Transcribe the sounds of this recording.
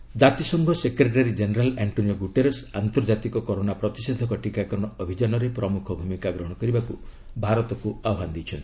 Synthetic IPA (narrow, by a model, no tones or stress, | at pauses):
d͡ʒat̪isɔŋɡʱɔsekɾeʈaɾid͡ʒeneɾaleɳʈonijɔɡuʈeɾesant̪ɔɾd͡ʒat̪ikɔkɔɾonapɾɔt̪ised̪ʱɔkɔʈikakɔɾɔɽ̃ɔɔbʱid͡ʒanɔɾepɾɔmukʰɔbʱumikaɡɾɔɦɔɽ̃ɔkɔɾibaku | bʱaɾɔt̪ɔkuaɔɦand̪it͡ʃʰɔnt̪